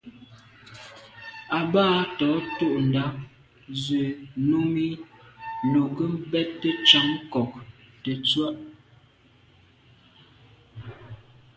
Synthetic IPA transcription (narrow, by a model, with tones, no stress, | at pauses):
a˨baː˦tɔ˨˦to˦˨ʔn̩˨da˦ | ze˨nu˦mi˦ | no˨kə˦m̩˦bɛ˦tːə˦t͡ʃa˨˦ŋkɔ˨k̚ | tə˨t͡swa˦ʔ